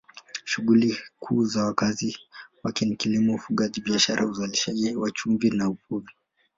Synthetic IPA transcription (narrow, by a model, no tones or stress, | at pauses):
ʃuɠulikʰuːzawakaziwakinikilimɔufuɠaʄiɓiaʃaɾʔauzaliʃaʄiwat͡ʃumvinaupuvi